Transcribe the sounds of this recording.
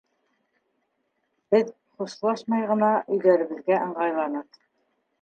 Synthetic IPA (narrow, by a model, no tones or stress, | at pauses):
b̥ɘð | χuʃlˠɑʃmɑjʁɤ̆nɑʔɵ̆jlæɾɘ̆βɘ̆ðɡæʔɤ̆ɴʁɑjlˠɑnɤq